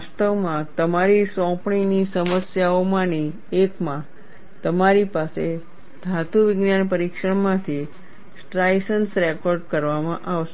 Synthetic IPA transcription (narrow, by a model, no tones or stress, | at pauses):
st̪əʋmãt̪əmaɾisɔ̃pɳinisəməsjaomãni | ekmã | t̪əmaɾipase | d̪ʱat̪uʋɪɡnjanpəɾikʃəɽmãt̪ʰi | sʈɾajsənsɾekɔɾɖkəɾʋamãʔaʋʃe